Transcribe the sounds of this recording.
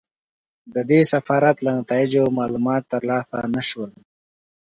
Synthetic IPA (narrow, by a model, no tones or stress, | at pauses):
d̪əd̪esafɑːɾat̪lanat̪ɑɪd͡ʒomɑːlumɑːt̪ːəɾlɑsanaʃwəl